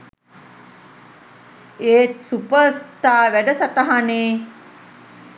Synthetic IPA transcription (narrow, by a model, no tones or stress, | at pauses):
eːt̪supəsʈ̪aːʋæɖəsat̪aɦaneː